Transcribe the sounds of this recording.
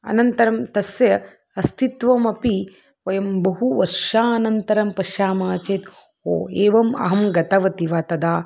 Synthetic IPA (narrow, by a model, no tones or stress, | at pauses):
ɐ̰nɐnt̪ɐɾɐmt̪ɐsjɐ | ɐst̪ʰit̪ʋɐmɐpi | ʋɐjɐmbɐɦuʋɐɾʂaːɐnɐnt̪ɐɾɐmpɐʃjaːmaːt͡ʃeːt̪ | o̰ːeːʋɐmɐ̰ɦɐmɡɐt̪ɐʋɐt̪iʋaːt̪ɐd̪aː